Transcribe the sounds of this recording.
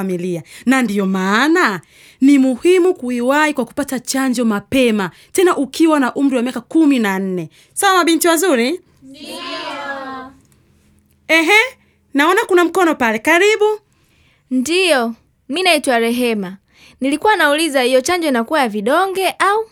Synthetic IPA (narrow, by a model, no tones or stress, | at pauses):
amilianandijɔmaːna | nimuhimukuiwahikwaku̥patat͡ʃaɲd͡ʒɔmapɛma | tɛnaʔukiwanaʔum̩ɾiwamiakakuminan̩nɛ | sawamaɓintiwazuɾi | ɛɦɛ | naɔnakunam̩kɔnɔpalɛkaɾiɓu | ndijɔ | minaitwaɾɛɦɛma | nilikuwanaulizahijɔt͡ʃaɲd͡ʒɔinakuwajaviɗɔŋɡɛʔau